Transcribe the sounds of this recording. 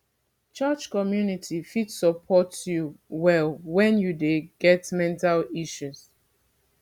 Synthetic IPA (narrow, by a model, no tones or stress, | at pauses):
t͡ʃat͡ʃkɔmjunitʰifitsəpʰɔtjuwɛlwɛ̃njudeɡɛtmɛ̃ntaliʃuz̥